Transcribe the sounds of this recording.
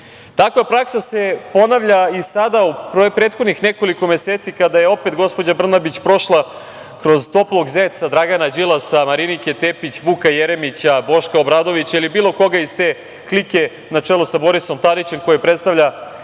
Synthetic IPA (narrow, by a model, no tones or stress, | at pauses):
t̪akʋapɾaksasepo̞naʋʎaisad̪aupɾopɾet̪xod̪nixneko̞liko̞meseːt̪sikad̪ajeo̞pet̪ɡo̞spo̞d͡ʑabr̩nabit͡ɕpɾo̞ʃlˠa | kɾo̞zt̪o̞plˠo̞ɡzet̪sad̪ɾaɡanad͡ʑilˠasamaɾinike̞t̪eːpit͡ɕʋukajeɾemit͡ɕabo̞ʃkaobɾaːd̪o̞ʋit͡ɕailibiːlˠo̞ko̞ɡaizt̪eː | klike̞ | nat͡ʂelˠosabo̞ɾiso̞mt̪aɾit͡ɕe̞mko̞jepɾet̪st̪aʋʎa